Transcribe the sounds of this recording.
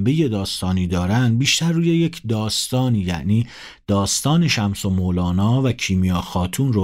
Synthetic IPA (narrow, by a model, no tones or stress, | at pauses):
beje̞d̪ɒːst̪ɒːniːd̪ɒːɾænd̪̚biːʃt̪æɾːuːje̞je̞cʰd̪ɒːst̪ɒːniːjæ̰ʔniː | d̪̥ɒːst̪ɒːne̞ʃæmsomoːlɒːnɒːvæcʰiːmijɒːxɒːt̪ʰuːnro